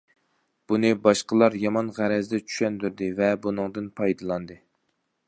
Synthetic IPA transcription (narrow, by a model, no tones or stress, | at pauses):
b̥unɨbɑʃqəlˠɑɾjɑmɑnʁæɾɛzd̪ɛt͡ʃʰy̥ʃɛnd̪yɾd̪ɪvɛbunɨŋd̪ɨnpʰɑjd̪ɨlˠɑnd̪ɨ